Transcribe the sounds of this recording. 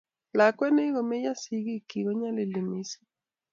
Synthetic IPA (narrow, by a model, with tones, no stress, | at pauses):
la˨kwɛ˦ne˦ɣɔ˨me˦ja˦si˦ɣi˦ki˨ɣɔ˦ɲa˦lɪ˨le˨mi˦si̥˦